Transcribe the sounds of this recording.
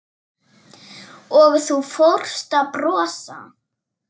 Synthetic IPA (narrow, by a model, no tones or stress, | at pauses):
ɔɣθufowr̥st̪apɾɔːsa̰